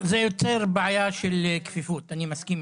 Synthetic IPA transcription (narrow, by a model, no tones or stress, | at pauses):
zejot͡seʁbʕajaʃelkfifut̪animaskim